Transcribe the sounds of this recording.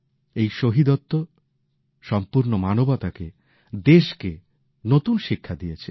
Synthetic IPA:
ejʃoɦid̪ot̪ːo | ʃɔmpuɾnomanobat̪ake | d̪eʃke | not̪unʃikʰːad̪ijet͡ɕʰe

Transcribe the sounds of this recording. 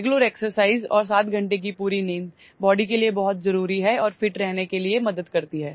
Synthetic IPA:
ɡloɾeːksəɾsaːɪzɔ̰ːɾs̬aːt̪ɡʱɐ̃ɳʈek̬ipuːɾineːn | bɔːɖikeliebɐɦʊt̪̚zɐɾuːɾiɦɛɔːɾfɪʈɾɛɦnekeliemɐd̪əd̪kɐɾt̪iɦɛː

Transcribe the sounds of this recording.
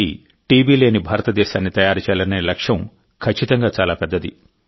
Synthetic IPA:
ḭ | ʈiːbiːle̞ːnibʱaːɾɐt̪ɐd̪ɛːʃaːnːit̪ɐjaːɾit͡ʃɛːlɐneːlɐkʂjɐm | kʰɐt͡ʃːit̪ɐŋɡaːt͡ʃaːlaːpɛd̪ːɐd̪i

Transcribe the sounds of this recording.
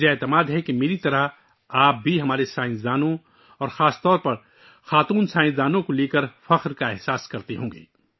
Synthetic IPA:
eeːt̪əmaːd̪ɦɛkemeːɾit̪ɐɾəɦ | aːp̚bʱiɦɐmaːɾesaːɪ̃zd̪aːnõ | ɔːɾxaːst̪ɔːɾpɐɾ | xaːt̪uːnsaːɪ̃zd̪aːnõkoleːkəɾfɐqɾkaɛɦsaːskɐɾt̪eɦõːŋɡḛː

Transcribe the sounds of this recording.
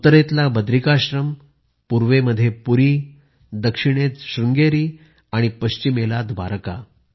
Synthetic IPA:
ut̪əɾet̪labəd̪ɾikaɕɾəm | puɾʋeməd̪ʱːjepuɾiː | d̪əkʂiɽ̃et͡sɕɾuŋɡeɾiː | aɽ̃ipəɕt͡ɕimelat̪bʱa̰ɾka̰

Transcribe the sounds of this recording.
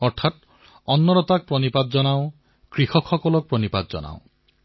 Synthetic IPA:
ɔɾʈʰat̪ | ɔnːɔɾɔt̪ak̚pɾɔnipad̪̚d͡ʒɔnaõ | kɾixɔkʰɔkɔlɔk̚pɾɔnipad̪̚d͡ʒɔ̰na̰õ

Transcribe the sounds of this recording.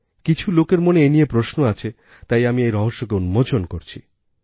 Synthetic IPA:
kit͡ɕʰulokeɾmoneenijepɾosnoat͡ɕʰe | t̪ajamiejɾɔɦoʃːokeunmod͡ʑonkoɾt͡ɕʰḭ

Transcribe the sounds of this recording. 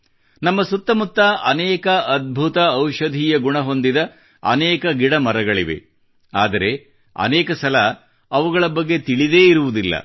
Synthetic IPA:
nɐmːɐsut̪ːɐmut̪ːɐʔɐnɛːkɐʔɐd̪̚bʱut̪ɐːwʃɐd̪ʱiːjɐɡuɳɐɦo̞nd̪id̪ɐ | ɐ̰nɛːkɐɡiɽɐmɐɾɐɡɐɭiʋḛ | aːd̪ɐɾe̞ | ɐ̰nɛːkɐsɐlɐ | ɐʋuɡɐɭɐbɐɡːet̪iɭid̪eːiɾuʋud̪ilːɐ̰

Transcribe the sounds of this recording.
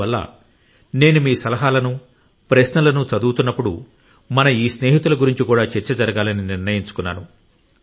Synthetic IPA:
ɐlːɐ̰ | ne̞ːnumiːsɐlɐɦaːlɐnu | pɾɐsnɐlɐnut͡ʃɐd̪uːt̪unːɐpːuɽṵ | mɐnɐiːsne̞ːɦit̪ulɐɡuɾiɲt͡ʃikuːɽaːt͡ʃɛɾt͡ʃɐd͡ʒɐɾɐɡaːlɐniniɾnɐjiɲt͡ʃu̥kunːa̰ːnu

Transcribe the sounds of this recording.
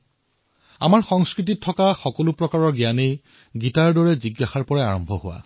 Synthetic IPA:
a̰maɹxɔŋskɹit̬ittʰːɔkaxɔkolʊpɹɔkaɹɔɹɡijanej | ɡitaɹdɔɹɛziɡːaxaɹpɔɹaaɹɔmbʱɔhʊwa̰

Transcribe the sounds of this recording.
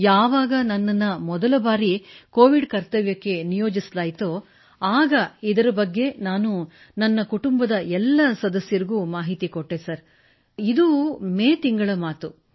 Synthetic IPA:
jaːʋaːɡɐnɐnːɐnːɐmɔd̪ɐlɐbaːɾiko̞ːʋiɖkɐɾt̪ɐʋjɐkːe̞nijoːd͡ʒislaːjt̪o | aːɡɐid̪ɐɾɐbɐɡːe̞naːnu | nɐnːɐkuʈumbɐd̪ɐɛlːɐsɐd̪ɐsjɐɾiɡuːmaːɦit̪ikoʈːesɐɾ | id̪umeːt̪iŋɡɐɭɐmaːt̪u

